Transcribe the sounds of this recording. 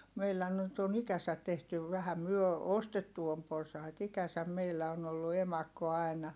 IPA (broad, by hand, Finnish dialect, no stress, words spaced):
meilːæ nyt on ikæsæt̆ tehtyʋ ʋæhæ myø ostetːu om porsɑit ikæsæm meilːæ on olːu emɑkːo ɑi̯nɑ